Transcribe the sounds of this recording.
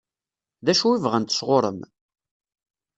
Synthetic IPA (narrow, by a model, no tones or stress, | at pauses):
ðæʃuivʁænt̪ə̥sʁoɾˤə̰m